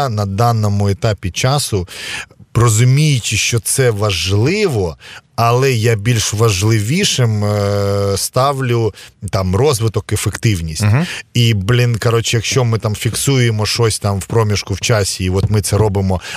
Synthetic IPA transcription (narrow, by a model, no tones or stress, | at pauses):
nɐd̪ɑnɔmʊet̪ɑpʲit͡ʃɑsʊ | rɔzʊmʲijɪt͡ʃʲɪʃt͡ʃɔt̪sɛʋɐʒlˠɪʋɔɐlˠɛjabʲilʲʃʋɐʒlˠɪʋʲiʃɪm | st̪ɑʋlʲʊt̪ɑmrɔzʋɪt̪ɔkefekt̪ɪwnʲisʲtʲiblʲɪnkɐɾɔt͡ʃjɐkʃt͡ʃɔmɪt̪ɑmfʲiksujemɔʃɔsʲt̪ɑmwpɾɔmʲiʃkʊwt͡ʃɑsʲiːʋɔt̪mɪt̪sɛɾɔbɪmɔ